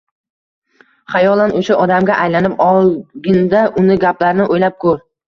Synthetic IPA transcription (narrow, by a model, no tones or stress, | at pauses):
χajɒlˠanoʃaʔɒd̪amɡʲaʔajlanɪpɒlˠɡʲɪnd̪aʔʊnɪɡʲaplaɾnɪʔojlap̚kʰɵɾ